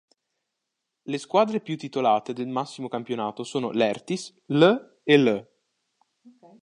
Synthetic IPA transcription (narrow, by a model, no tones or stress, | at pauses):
leskwaːd̪ɾepjut̪ːit̪olaːt̪ed̪elmasːimokampjonaːt̪osoːnolɛrt̪is | lə | elə